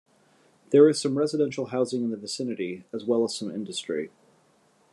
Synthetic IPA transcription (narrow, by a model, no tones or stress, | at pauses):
ðə˞ɨz̥sʌ̃mɹɛzɨdɛ̃nʃl̩ˠɦaʊzɪ̃ŋɨ̃nðɨvɨsɪ̃nɨɾiəzwɛlˠəz̥sʌ̃mɪ̰̃ndɨstɹ̥ḭ